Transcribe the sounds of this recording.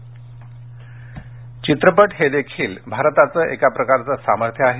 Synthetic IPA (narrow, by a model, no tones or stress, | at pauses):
t͡ɕit̪ɾəpəʈɦed̪ekʰiːlbʱaɾt̪at͡səːʔekapɾəkaɾt͡səsaməɾt̪ʰjəaɦe